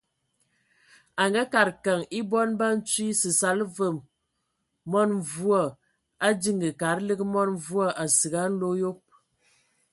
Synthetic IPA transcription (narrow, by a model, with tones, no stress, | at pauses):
a˨ŋɡa˦ka˨ɾka˨ŋi˦bɔ˦nba˦n̩˦t͡si˦sɨ˨sa˨˦lvə˨mː | ɔ˦n˨vu˦ɔ˨ | a˦di˦ŋɡə˨ka˨˦ɾlə˦ɡmɔ˦n˦vu˦a˦ʔa˨sɨ˨ɡa˦n̩˦lo˦jo˦p̚